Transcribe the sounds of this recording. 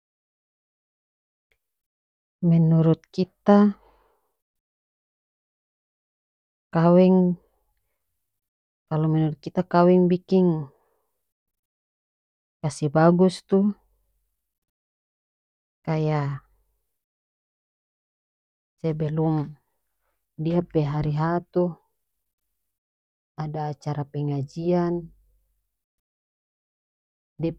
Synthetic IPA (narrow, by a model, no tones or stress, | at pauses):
mɛnuɾut̪̚kit̪a | kawɛŋ | kalomɛnuɾut̪̚kit̪akawɛŋbikiŋ | kasibaɡust̪u | kaja | sɛbɛlum | diapɛɦaɾiɦat̪u | adaːt͡ʃaɾapɛŋad͡ʒian | dɛ